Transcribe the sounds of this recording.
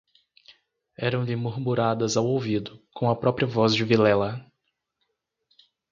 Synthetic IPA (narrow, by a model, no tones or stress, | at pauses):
ɛɾɐ̃w̃d̪emuɾmuɾad̪ɐzawowvid̪ʊkõw̃ɐpɾɔpɾiɐvɔzd͡ʒɪvilɛlɐ